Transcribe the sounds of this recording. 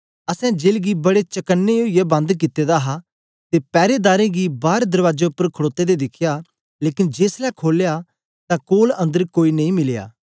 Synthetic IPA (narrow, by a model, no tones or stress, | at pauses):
ɐsɛ̃d͡ʒeːlɡibɐɽet͡ʃɐkənːeoijebɐ̃nd̪k̬ɪt̪ːed̪aɦa | t̪epɛːɾed̪aːɾẽɡibaːɾd̪ɐɾʋaːd͡ʒeʊpːəɾkʰəɽoːt̪ed̪ed̪ɪkʰja | leːkɪnd͡ʒeːslɛːkʰoːlja | t̪ãːkoːlɐ̃nd̪əɾkoːiːnɐ̃ĩmɪlja̰ː